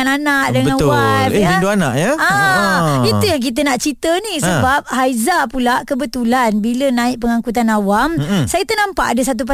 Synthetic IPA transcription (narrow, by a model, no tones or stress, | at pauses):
ananaʔ̚dəŋəãnwajinduana̰ʔjaa | it̪ujaŋk̬it̪̬ənaʔt͡ʃit̪ənisəbap̚hajzapulaʔkəbət̪ulanbilənãɪʔ̚pəŋãŋkut̪̬anawamsajit̪ənãmpa̰ʔadəs̬at̪̬up̬ə